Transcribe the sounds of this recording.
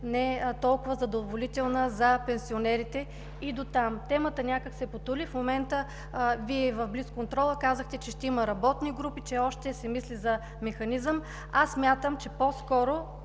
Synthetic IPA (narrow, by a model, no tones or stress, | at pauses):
nɛt̪ɔlˠkʊvəzɐd̪ovolit̪ɛlˠnəzɐpɛnsionɛɾit̪ɛ | id̪ot̪amt̪ɛmət̪ənʲakəksɛpot̪ulifmomɛnt̪ə | viɛvɐvbliskont̪ɾɔlˠəkazəxt̪ɛt͡ʃɛʃt̪ɛiməɾɐbɔt̪niɡɾupit͡ʃɛɔʃt̪ɛsɛmislizɐ | mɛxɐnizəm | asːmʲjat̪əmt͡ʃɛpɔskɔɾo